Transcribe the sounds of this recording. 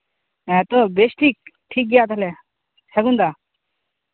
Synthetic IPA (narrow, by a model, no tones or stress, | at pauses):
ɛ̃t̪obesʈiːk̚ʈʰiːk̚ɡjaːt̪əle | sʰəɡũnd̪aː